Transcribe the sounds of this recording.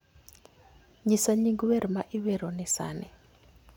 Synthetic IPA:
ɲisaɲiŋɡuwɛɾimaʔiwɛɾɔnɛsa̰ːnɛ

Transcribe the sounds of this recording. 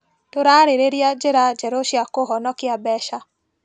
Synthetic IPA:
toɾaɾeɾeɾjad͡ʒeɾad͡ʒɛɾoʃjakoɦɔnɔkɪabɛʃa

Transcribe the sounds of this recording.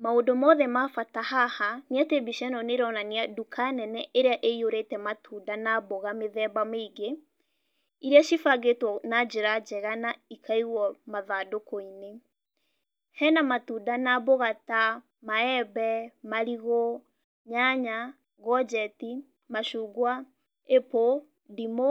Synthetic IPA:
maodomɔðɛmafatahahaneatebiʃɛnɔneɾɔnaneadukʰanɛnɛʔeɾeaʔeioɾetɛmatʰudanaboɣameðɛbameiɡe | iɾeaʃifaɡetwɔnad͡ʑeɾad͡ʒɛɣanaikʰaiɣwɔmaðadokoine | hɛnamatuːdanaboɣata | maɛbɛmaɾiɣo | ɲaɲa | ɡɔd͡ʒɛti | maʃuːɡwa | epo | dimo

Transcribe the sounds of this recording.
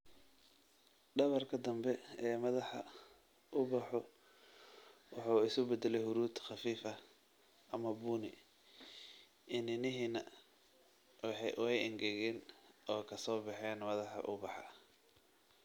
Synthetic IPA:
ɖɐβɐrkʰɐd̪ɐmbɛɛːmɐðɑħɑ | ʔʊbɑħɔ | wɑħuːɪsʊbɛd̪ɛlɛjhʊɾuːt̪ʰxɑfiːfɐ | ʔɐmɐbuːnɪ | ʔɪnɪnɪɦiːnɐ | ħʔwɛjɪŋɡɛɣɛːnɔːkʰɐsɔːbɑħɛːnmɐðɑħɑ̰ʔʊbɑħɑ̰

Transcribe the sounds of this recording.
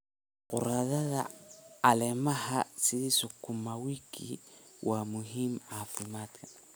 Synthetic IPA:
kṵɾaðaða̰ː | lemahasiɾisokumawikḭwʔamuɦimafimata

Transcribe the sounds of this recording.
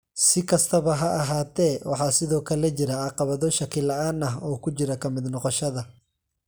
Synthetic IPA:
sɪkʰɐst̪ʰɐβɐɦɐʔːɦaːt̪ʰɛːwɑ̰ħɑːsɪðɔːkʰɐlɛt͡ʃɪɾɐɑqɑβɐðɔʃɐkʰɪlɐaːnɐɦɔːkʰʊt͡ʃɪɾɐkʰɐmɪd̪nɔqɔʃɐðɐ

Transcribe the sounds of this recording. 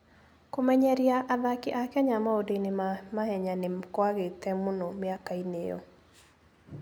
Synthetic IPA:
komɛɲɛɾjaʔaðakɪʔakɛɲamaodenɪmamahɛɲanɪkwaɡet̪ɛmonomiakainejɔ̰

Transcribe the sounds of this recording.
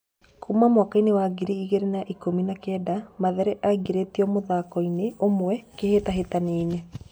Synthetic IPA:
kʰumamwakainewaɡiɾiiɣeɾenaʔikominakɛːdamaðɛɾɛʔaiɡeɾetiɔmoðakɔineomwɛkehetaɦetaneine

